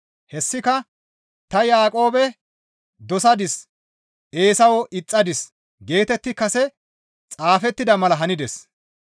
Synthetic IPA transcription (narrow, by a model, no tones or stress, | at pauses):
hɛsːɪkɐ | t̪ɐjaːkʼo̞ːbɛ | d̪ɔsɐd̪ɪs | ʔe̞ːsɐwɔʔɪt͡sʼːɐd̪ɪs | ɡe̞ːt̪ɛt̪ːɪkɐsɛ | t͡sʼaːfɛt̪ːɪd̪ɐmɐlɐɦɐnɪd̪ɛs